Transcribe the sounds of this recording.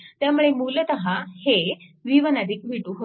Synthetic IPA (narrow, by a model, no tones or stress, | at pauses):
t̪jamuɭemulət̪əɦaheʋiʋənad̪iːk̚ʋiʈuɦo